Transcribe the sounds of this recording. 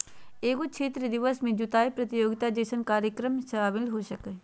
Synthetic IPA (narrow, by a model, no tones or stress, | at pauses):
eːɡot͡ʃʰeːt̪ɾəd̪ɪʋəsmẽd͡ʒut̪aːipɾət̪ɪjoːɡɪt̪aːd͡ʒeːʃənkaːɾjəkɾəmsəaːbɪlɦoːʃəke